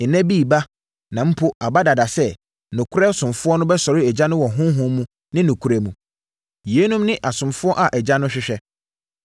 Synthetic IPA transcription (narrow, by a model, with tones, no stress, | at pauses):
n̩˨nɛ̃˦bi˦˨ba˦ | nã˨m̩˦pʰo˦a˨ba˦da˨da˨sɛ˦ | nʊ̃˨kʰʊ˦ɾɛ˦sʊ̃˨mfʊ˦ɔ˦nʊ̃˦bɛ˦sɔ˨ɾɪ˦ɛ˨d͡ʑã˦nʊ̃˦wɔ˨ɦʊ̃˦ɦʊ̃˦mũ˦ | nɪ̃˦nʊ̃˨kʰu˦ɾɛ˨mũ˨ | je˨˦nũ˦mnɪ̃˦ʔa˨sʊ̃˨mfʊ˦ɔ˦ʔa˨ʔɛ˨d͡ʑa˦nʊ̃˦ɕᶣɪ˦ɕᶣɛ˦